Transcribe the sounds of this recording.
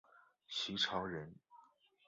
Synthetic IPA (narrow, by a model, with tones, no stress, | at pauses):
t͡ɕʰi˧˥ʈ͡ʂʰɑ˧˥ʊɻə˧˥n